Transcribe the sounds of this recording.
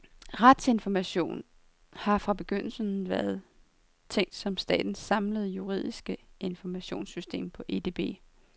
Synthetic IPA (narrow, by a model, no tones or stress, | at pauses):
ʁad̥se̝nfɒmæɕo̝̰ːn | hɑ̈fʁɑ̈b̥e̝ɡ̥øn̰l̩sənʋæɐð̞̩ˠ | t͡sʰeŋ̰d̥sɒ̽msd̥ɛ̰ːd̥n̩sɑ̈mləð̞̩ˠjuʁḭð̞̰ˠisɡ̥əe̝nfɒmæɕo̝̰ːnsysd̥e̝̰ːmpʰɒ̽ʔe̝d̥e̝ːb̥e̝̰ː